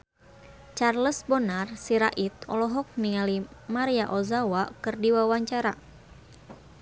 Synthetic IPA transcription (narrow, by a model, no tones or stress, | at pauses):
t͡ʃarləsbɔnarsiɾaʔit̪̚ɔ̰lɔɦɔk̚niŋalimaɾiaʔɔzawakɨrdiwawaɲt͡ʃaɾa